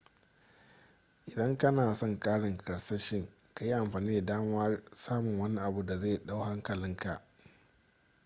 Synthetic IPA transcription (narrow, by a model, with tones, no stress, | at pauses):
ʔɪ˨dɐ˦ŋkɐ˦naː˨sɔ˦ŋkʼaː˦ɽɪ˨ŋkʰʼɐ˨ɽsa˦ʃɪ˦ŋ | ka˨ji˦ʔa˨mɸaː˨niː˦da˨daː˦m˦ɐ˦rsaː˦mʊ˨ŋwɐ˦ni˦ʔa˨bu˨da˨zeː˦˨ɗa˦wɦa˦ŋkɐ˨lɪ˦ŋka˨ʔ